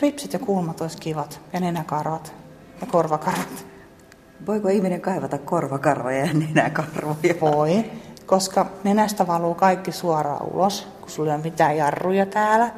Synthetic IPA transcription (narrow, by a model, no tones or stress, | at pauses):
ripsit̪jɑkulmɑt̪oist̪kiʋɑt̪jɑnenækɑrʋɑt̪ | jɑkorʋɑkɑrʋɑt̪ | ʋoikoihmineŋkɑiʋɑt̪ɑkkorʋɑkɑrʋɑjɑnenækɑrʋojɑʋoikoskɑnenæst̪æʋɑluːkɑikːisuɑrɑ̰ːṵlos | kusulːiommit̪æːjɑrːujɑt̪æːlæ